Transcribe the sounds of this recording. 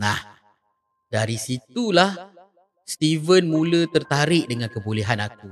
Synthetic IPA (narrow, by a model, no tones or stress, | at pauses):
nah | daɾisit̪ulah | st̪ivənmũlət̪ərt̪aɾɪʔ̚dəŋãnkəboleɦanak̚u